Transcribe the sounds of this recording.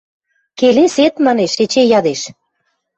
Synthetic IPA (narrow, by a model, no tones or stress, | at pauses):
keleset̪mɑneʃet͡ɕejɑd̪eʃ